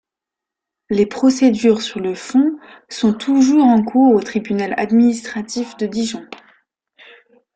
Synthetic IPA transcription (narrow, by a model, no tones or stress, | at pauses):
lepχɔsed̪yʁsyʁləfɔ̃ | sɔ̃t̪ʰuʒuʁɑ̃kuʁot̪χibynala̰d̪minist̪χat̪ifd̪əd̪iʒɔ̃